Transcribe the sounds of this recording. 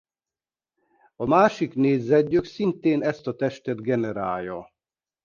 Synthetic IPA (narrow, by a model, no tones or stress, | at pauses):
ɒmaːʃikneːzzɛɟːøksint̪eːnɛst̪ɒt̪ɛʃt̪ɛd̪ɡɛnɛɾaːjjːɒ